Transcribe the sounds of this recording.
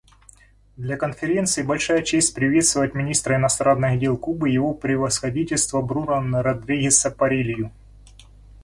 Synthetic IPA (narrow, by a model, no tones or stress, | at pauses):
d̪lʲɐkənfʲɪɾʲe̞nt̪sɨɪbɐlʲʂajət͡ɕesʲtʲpɾʲɪvʲe̞t̪st̪vəvət̚ʲmʲɪnʲist̪ɾəɪnɐst̪ɾanːɨɣdʲe̞lˠkubɨjɪvopɾʲɪvəsxɐdʲitʲɪlʲst̪vəbɾuɾanɨɾɐd̪ɾʲiɡʲɪsɐpɐɾʲilʲjʊ